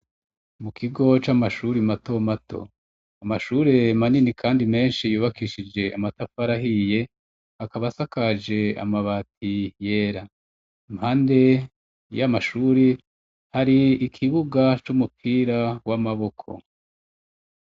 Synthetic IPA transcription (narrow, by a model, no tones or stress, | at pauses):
mukʰiɡo̞t͡ʃamaʃuɾimato̞matʰo̞̰ | amaʃuːɾe̞maninikʰaːndime̞ːnʃijuːβakiʃid͡ʒe̞ʔa̰matafaɾaɦije̞ | akaβasakad͡ʒe̞a̰maβatʰije̞ɾa | imhaːnde̞ | jamaʃuːɾe | haɾiːkʰiβuɡat͡ʃumupʰiːɾawamaβo̞kʰo̞̰